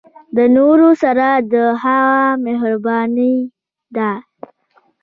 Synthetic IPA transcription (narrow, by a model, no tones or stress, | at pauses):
d̪ənoɾosaɾad̪əɦaɣameɦɾbɑni | d̪a